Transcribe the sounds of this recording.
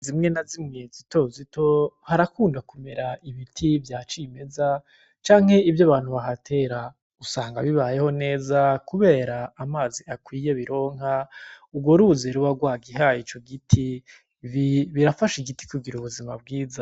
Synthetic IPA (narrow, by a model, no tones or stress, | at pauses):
zimŋe̞nazimezito̞zitʰo̞haɾakuːndakume̞ɾaiβitʰivjaːt͡ʃime̞za | t͡ʃaːŋ̥he̞ivjaβaːn̥huβaɦatʰe̞ɾa | usaːŋɡaβiβaje̞ho̞ne̞ːzakuβe̞ːɾaːmaːziakwiːje̞βiɾo̞ːŋauɡwo̞ɾuzeɾuβaɡwaːɡiɦajit͡ʃo̞ɡitʰi | βiɾafaʃiɡiti̥kuɡiɾuβuzima̰b̚ɡiːza